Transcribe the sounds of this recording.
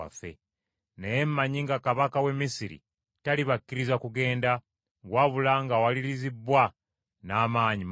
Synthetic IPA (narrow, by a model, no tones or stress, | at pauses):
a̰fḛ | nejemmaɲiŋɡakaβakawe̞mːisiɾḭ | taliβakːiɾizakuɡe̞ːnda | ɡwaβulaŋɡawaliɾizibːwa | naːmaːɲi